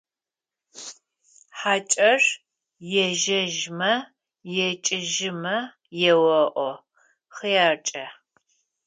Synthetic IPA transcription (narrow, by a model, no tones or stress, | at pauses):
ħaːt͡ʃʼɐr | jɛʒɐʒmɐ | jɛt͡ʃʼɪʒɪmɐ | jɛwɐʔʷɔ | χijaːrt͡ʃʼɐ